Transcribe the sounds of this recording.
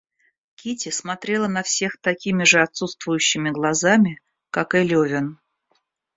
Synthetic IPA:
kʲitʲɪsmɐt̪ɾʲe̞lˠənɐfsʲe̞xt̪ɐkʲimʲɪʐɨɐt̪sut̪st̪vʊjʉɕːɪmʲɪɡlˠɐzamʲɪ | kakɨlʲovʲɪn

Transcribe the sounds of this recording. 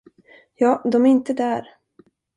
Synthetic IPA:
jɑːd̪ɔmæɾɪnt̪əd̪æɾ

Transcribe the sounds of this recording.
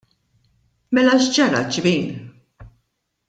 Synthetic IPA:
mɛlɐʃd͡ʒɐɾɐ̰d͡ʒbiːn

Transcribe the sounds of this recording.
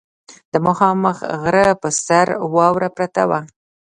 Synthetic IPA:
d̪̥əmʊxɑməxɣɾəpəsaɾwɑwɾapɾat̪awa

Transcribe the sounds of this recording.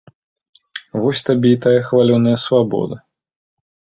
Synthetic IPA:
vɔsʲt̪abʲeit̪ajɐxvalʲɔnːɐjɐsvabɔ̰d̪ɐ

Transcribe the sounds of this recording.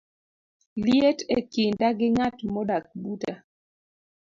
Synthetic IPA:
ljetekindaɡɪŋatmɔdak̚buta

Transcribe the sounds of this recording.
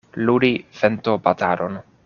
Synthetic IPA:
luɾifent̪opataɾon

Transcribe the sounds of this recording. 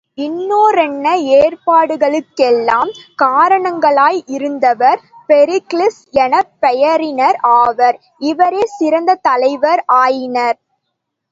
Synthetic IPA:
ɪnːoːɾɛnːɐeːrpaːɽɯɣɐɭɯkːɛlːaːmkaːɾɐɳɐŋɡɐɭaːjɪɾɯnd̪ɐʋɐɾpɛɾɪklɪsjɛnɐpːɛjɐɾɪnɐɾaːʋɐɾ | ɪʋɐɾeːsɪɾɐnd̪ɐt̪ɐlɐɪʋɐɾaːjɪnɐɾ

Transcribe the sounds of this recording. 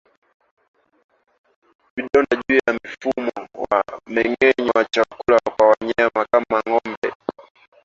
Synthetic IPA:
viɗɔnaʄujamifumɔwa̰mɛŋɛɲɔwat͡ʃakulakwawaɲamakamaŋɔmbɛ̰

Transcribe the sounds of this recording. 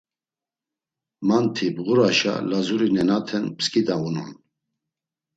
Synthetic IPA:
mant̪ʰibɣuɾaʃa̰lazuɾinɛnat̪ʰɛnpskʼid̪aunɔ̰n

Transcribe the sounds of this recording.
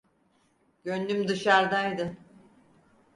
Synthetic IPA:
ɟønlymd̪ɯʃaɾd̪ajd̪ɯ

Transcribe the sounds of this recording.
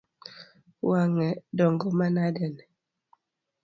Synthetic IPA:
waŋɛdɔŋɡɔmanadɛnɛ

